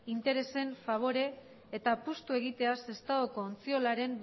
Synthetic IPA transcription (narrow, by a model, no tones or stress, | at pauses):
int̪e̞ɾe̞se̞ɱfaβ̞o̞ɾe̞ː | t̪apust̪ue̞ɣ̞it̪e̞ase̞st̪aɣoko̞ːnt͡sio̞laɾe̞m